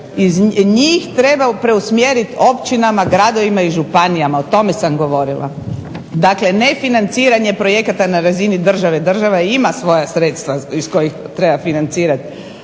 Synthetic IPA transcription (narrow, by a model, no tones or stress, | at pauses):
izɲiːxt̪ɾebapɾe̞usmjeɾit̪o̞pt͡ʃinamaɡɾad̪o̞ʋimaiʒupanijamaot̪o̞me̞samɡo̞ʋo̞ɾilˠʔa̰ | d̪akle̞ne̞finant̪siːɾaɲe̞pɾo̞je̞kat̪anaɾazinid̪r̩ʒaʋe̞d̪r̩ʒaʋaimasʋo̞jasɾet̪st̪ʋaisko̞jixt̪ɾebafinant̪siːɾat̪